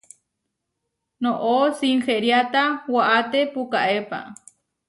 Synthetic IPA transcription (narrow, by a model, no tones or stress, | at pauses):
noʔosiŋxeɾjat̪awaʔat̪epukaʔepa̰